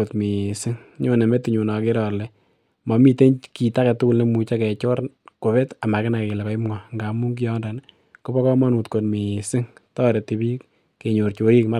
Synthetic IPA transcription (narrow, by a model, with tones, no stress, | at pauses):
o˨tmi˨sɪ˦ŋɲo˦ne˨me˦ti˨ɲu˨na˨ke˦ɾɔ˨lɛ˨ | mɔ˨mi˨te˦ɲki˨ta˦kɛ˨tʊ˦kʊ˦lne˦mu˨t͡ʃa˦kɛ˨t͡ʃɔ˦ɾ | ko˨βe˦ta˨ma˨kɪ˦na˨ke˨lɛ˨kɔ˨ɪ˦mŋa˨ŋɡa˨mu˦ŋɡ̬i˦jɔ˦nda˨n | ko˦bɔ˦kɔ˦mɔ˦nu˨tko˨tmi˨sɪ˦ŋtɔː˦ɾe˨ti˨bi˦ | ke˨ɲo˨ɾt͡ʃo˨i˦kma˦